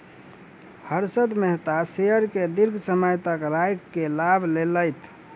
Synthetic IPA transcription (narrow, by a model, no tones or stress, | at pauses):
həɾsəd̪meɦt̪asejəɾked̪iɾɡʱsəmajt̪əkɾajkːelabʱleləjt̪